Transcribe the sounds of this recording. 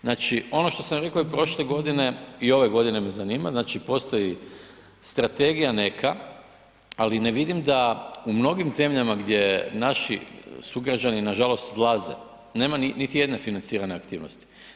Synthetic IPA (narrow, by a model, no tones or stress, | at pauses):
naːt͡ʃio̞noʃt̪o̞samjɾe̞koipɾo̞ʃle̞ɡo̞d̪ine̞io̞ʋe̞ɡo̞d̪ine̞mezaniːmaznat͡ʃipo̞st̪o̞ji | st̪ɾat̪e̞ɡijane̞kʰa | aline̞ʋid̪imd̪aumno̞ɡimze̞mʎamaɡd̪je̞naʃḭsuɡɾad͡ʒaninaʒalo̞st̪od̪lˠaze̞̰ | ne̞ːmaninit̪ije̞d̪ne̞finant̪siːɾane̞akt̪iːʋno̰st̪i̥